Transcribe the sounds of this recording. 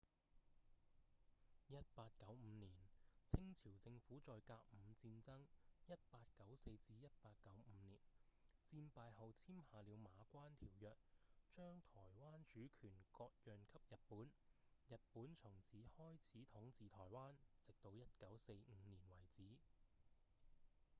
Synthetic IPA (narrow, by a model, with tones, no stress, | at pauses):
jɐ˥t̚paː˧t̚kɐ˨˥wm̩˨˧niː˨˩nt͡sʰɪ˥ŋt͡sʰiː˨˩wt͡sɪ˧ŋfuː˨˥t͡sɔː˨jkaː˧k̚m̩˨˧t͡siː˧nt͡sɐ˥ŋjɐ˥t̚paː˧t̚kɐ˨˥wse˧jt͡siː˧jɐ˥t̚paː˧t̚kːɐ˨˥wm̩˨˧˦niː˨˩nt͡siː˧mpaː˨˧jɦɐ˨wt͡sʰiː˥mhaː˨liː˨˧wmaː˨˧kʷaː˥nt̪ʰiː˨˩wjœː˨k̚t͡ʃœː˥ŋt̪ʰɔː˨˩jwaː˥nt͡ʃyː˨˥kʰyː˨˩nkɔː˧k̚jœː˨nkʰɐ˥p̚jɐ˨t̚puː˨˥njɐ˨t̚puː˨˥nt͡sʰʊ˨˩ŋt͡sʰiː˨˥hɔː˥jt͡sʰiː˨˥t̪ʰʊ˨˥ŋt͡siː˨˧t̪ʰɔː˨˩jwaː˥nt͡sɪ˨k̚t̪o˧wjɐ˥t̚kɐ˨˥wse˧jŋ̩ː˨˧˦niː˨˩nwɐ˨˩jt͡siː˨˥